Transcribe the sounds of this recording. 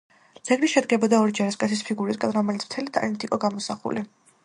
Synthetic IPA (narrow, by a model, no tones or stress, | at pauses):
d̪z̥ɛɡliʃɛd̪ɡɛbɔd̪aɔɾid͡ʒaɾaskʼat̪sʰispʰiɡuɾitskʼanɾɔmɛlit̪sʰm̥t̪ʰɛlit̪ʼa̰lint̪ʰʼikʼɔɡamɔsaχṵli